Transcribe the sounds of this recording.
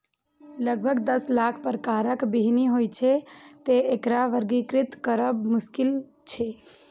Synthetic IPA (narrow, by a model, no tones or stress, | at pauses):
ləɡ̚bʱəɡd̪əslakʰpəɾkaɾəkbiɦniɦojt͡ʃʰet̪eekɾaʋəɾɡikɾɪt̪kəɾəbmʊskil | t͡ʃʰe